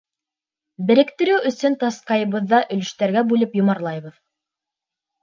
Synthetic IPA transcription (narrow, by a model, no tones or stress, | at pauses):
bɘ̆ɾɘ̆kt̪ɘ̆ɾɘwɵ̆sɵnt̪ɑsqɑjɤ̆βɤ̆ðːɑʔɵ̆lɵ̆ʃt̪æɾɡæbʉlɘpjŏmɑɾlˠɑjβɤð